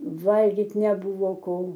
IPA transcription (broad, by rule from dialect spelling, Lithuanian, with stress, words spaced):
ˈʋɐlʲɡʲɪtʲ nʲɛˈbʊʋoː ˈkoː